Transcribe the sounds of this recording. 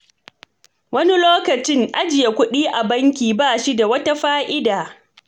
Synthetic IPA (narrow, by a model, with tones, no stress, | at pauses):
wɐ˦ni˦loː˦kɐ˨t͡ʃɪ˦ŋʔa˦d͡ʒɪ˨ja˨kʷʊ˦ɗiː˦ʔa˨bɐ˦ŋkʲiː˨baː˦˨ʃi˦da˨wɐ˦ta˦ɸaː˦ʔɪ˦daː˨